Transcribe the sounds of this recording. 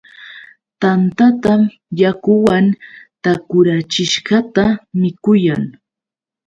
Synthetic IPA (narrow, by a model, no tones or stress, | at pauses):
t̪ant̪at̪am | jakʊwant̪akʊɾat͡ʃɪʃɢɑt̪amɪkʊjaŋ